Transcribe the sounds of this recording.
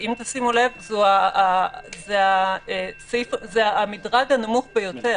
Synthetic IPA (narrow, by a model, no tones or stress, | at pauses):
imt̪asimule̞vzuaː | zeaesefzeaːmidʁaɡanamuχbejo̞te